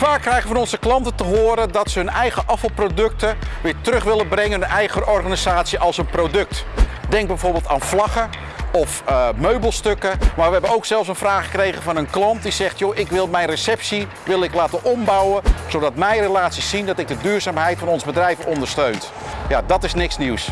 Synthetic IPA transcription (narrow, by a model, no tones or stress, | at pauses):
faːkːrɛjχəəfɑnɔnzəklɑntətəɦʊːɾədɑtsəɦɵnɛjχəʔɑfɑlˠprodɵk̚təʋɪːɹtərɵχʋɪlˠənbrɛŋənənɛjχərʔɔrχaːnizaːtsiʔɑlˠsənprowdɵk̚tdɛŋɡ̚bɛjvoːɹbɪːlˠta̰ːnflɑχə | ɔfmøɥbəlˠstɵkəmaːɹʋəɦɛbənowksɛlˠfs̬ənfraːχə̥krejχəvɑnənklɑnt̚dizɛχtjoʔɪkʋɪlˠmɛjnresɛpsi | ʋɪlˠɪklaːtənʔɔmbɑwəzowdɑtmɛjrelaːtsissindɑtɪɡ̚dədyːɹzaːmɦɛjtfɑnɔnzəbədrɛjvənɔndəɹstøɥnt | jadɑtɪsnɪksniws